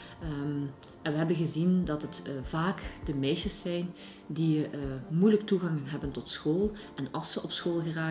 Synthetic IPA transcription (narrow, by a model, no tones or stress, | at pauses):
ə | ɛnʋəɦɛbənɣəzindɑtətv̥aːkd̥əmɛjʃəsːɛjn | dimujləktuɣɑŋɦɛbəntɔtsxoːlˠ | ʔɛnɑlˠsəʔɔpsxoːlˠɣəraː